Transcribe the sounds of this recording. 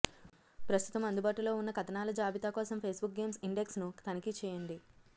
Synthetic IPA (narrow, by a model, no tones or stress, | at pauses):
pɾɐst̪u̥t̪ɐmɐnd̪ubaːʈulo̞ːunːɐkɐt̪ɐnaːlɐd͡ʒaːbʱit̪aːkɔːsɐmpʰeːsbuk̚ɡe̞ːmsiɳɖeksnut̪ɐnɐkit͡ʃɛːjɐɳɖi